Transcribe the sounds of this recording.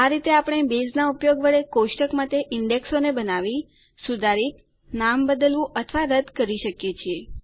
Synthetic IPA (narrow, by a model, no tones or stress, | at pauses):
aɾit̪eapəɽ̃ebeznaupjoɡʋəɭekoʃʈəkmat̪eʔɪɳɖeksonebənaʋi | sud̪ʱaɾik̪ | nambəd̪əlʋũʔət̪ʰʋaɾəd̪ʱkəɾiʃəkjet͡ʃʰie